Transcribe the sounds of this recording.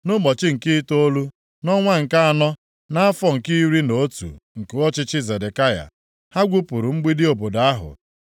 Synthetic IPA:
nʊ˦bɔ˨t͡ʃɪ˦ŋ̩˨kɪ˦to˦lu˦ | nɔ˦ŋʷa˦ŋ̩˨ka˦a˨nɔ˦ | na˦a˦fɔ˦ŋ̩˨ki˦i˦ɾi˦no˨o˦tṵ˨ŋ̩˨ke˨˦ɔ˦t͡ʃɪ˦t͡ʃɪ˦ze˨de˨ka˦ja̰˨ | ha˦ɡʷu˦pu˨ɾu˨m̩˦ɡ͡bi˦dɪ˦o˨bo˨da˦ɦʊ̰˨

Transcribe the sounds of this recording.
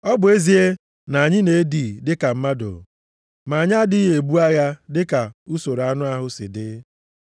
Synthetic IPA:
ɔ˦bʊ˨e˦zi˨e˦ | na˨a˨ɲɪ˦ne˨e˦di˨dɪ˦ka˨m̩˦ma˦do̰˨ | ma˨ɲa˦dɪ˦ɦe˨bu˦a˦ɣa˦dɪ˦ka˨u˦so˨ɾa˦nʊ˦a˦ɦʊ˦sɪ̰˨dɪ˦

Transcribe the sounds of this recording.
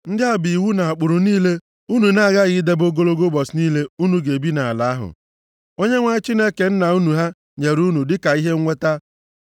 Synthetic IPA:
n̩˦dɪ˦a˦bi˨wu˦na˨a˨k͡pʊ˨ɾʊ˨niː˦le˦ | u˦nu˨na˦˨ɣa˦ɣɪ˦de˦bo˦ɡo˦lo˦ɡo˦bɔ˨sniː˦le˦u˦nu˨ɡe˨bi˦na˨a˨la˨˦ɦʊ̰˨ | o˦ɲe˦ŋʷa˦ɪ˦t͡ʃi˦ne˦ke˨n̩˦na˨u˦nu˨ɦa˦ | ɲe˨ɾu˦nu˨dɪ˦ka˨i˦ɦe˦ŋ̩˦ŋʷe˦ta˦

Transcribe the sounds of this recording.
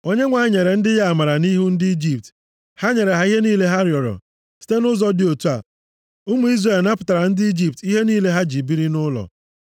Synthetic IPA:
o˦ɲe˦ŋʷa˨ɪ˦ɲe˨ɾe˨n̩˦dɪ˦ja˦a˨ma˨ɾa˨ni˦ɦu˦n̩˦dɪ˦i˦d͡ʒi˨p̚t | ha˦ɲe˨ɾe˨ɦa˦i˦ɦe˦niː˦le˦ɦa˦ɾjɔ˨ɾɔ̰˨ | si̥˦te˦nʊ˦zɔ˦dɪ˨o˨tu˦a̰˨ | ʊ˦mu˨i˦zre˨lna˦pʊ˨ta˨ɾa˨n̩˦dɪ˦i˦d͡ʒi˨p̚ti˦ɦe˦niː˦le˦ɦa˦d͡ʒi˨bi˦ɾi˦nʊ˦lɔ̰˨

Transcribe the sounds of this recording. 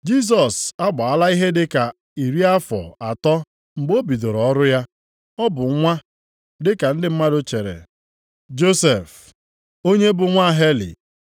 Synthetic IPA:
d͡ʒi˦s̬ɔ˨sa˦ɡ͡ba˨a˦la˦i˦ɦe˦dɪ˦ka˨ | i˨ɾi˦a˦fɔ̰˨a˨tɔ˦ | ŋ͡m̩˨ɡ͡bo˦bi˨do˨ɾɔ˨ɔ˦ɾʊ˦ja˦ | ɔ˦bʊ˨˦ŋʷa˦ | dɪ˦ka˨n̩˦dɪ˦m̩˦ma˦dʊ˦t͡ʃe˨ɾḛ˨ | d͡ʒo˦se˨f | o˦ɲe˦bʊ˨ŋʷa˦˨ɦe˦lḭ˨

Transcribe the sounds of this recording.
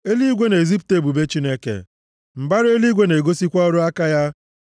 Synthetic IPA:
e˦li˦ɡʷe˦ne˨zi˦p̬u̥˨te˦˨bu˨be˦t͡ʃi˦ne˦kḛ˨ | m̩˨ba˦ɾe˦li˦ɡʷe˦ne˨ɡo˦si˦kʷɔ˦ɔ˦ɾʊ˦a˦ka˦ja˦

